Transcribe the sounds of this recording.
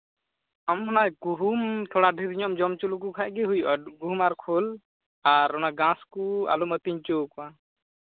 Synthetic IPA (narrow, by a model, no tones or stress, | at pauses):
amhɔnajɡuɦumt̪ʰɔɽaɖʱiɾiɲɔmd͡ʒɔmt͡ʃulukukʰaʔ̚ɡɛɦujʔɡuɦumaɾkʰɔl | aɾɔnaɡãskua̰lumət̪iɲt͡ʃokɔã